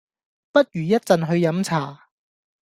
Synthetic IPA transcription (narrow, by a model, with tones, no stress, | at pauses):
pɐ˥t̚jyː˨˩jɐ˥t̚t͡sɐ˨nɦɵ˧ɥjɐ˨˥mt͡sʰaː˨˩